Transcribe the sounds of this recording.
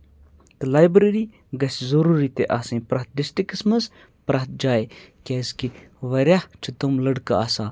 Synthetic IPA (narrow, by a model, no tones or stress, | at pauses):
t̪ɨlaːjbɾeɾiː | ɡɐszɐɾuɾit̪eʔaːsẽːpɾɐɦt̪̚disʈikismɐs | pɾaɦt̪̚d͡ʒaːekʲeːski | ʋɐɾʲaht͡ʃʰut̪umlɐɽka̰aːsaː